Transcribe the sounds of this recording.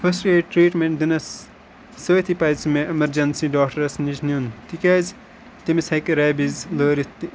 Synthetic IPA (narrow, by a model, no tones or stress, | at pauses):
pʰɐsʈeːʈɾiːʈmẽɳʈd̪inɐsː | əːt̪ʰipɐjt͡smeʔɐmɐɾd͡ʒɐnsiɖaːkʈɐɾɐsniznjunt̪ikʲaːz | t̪imisɐkɐɾɛːbizləːɾit̪ːi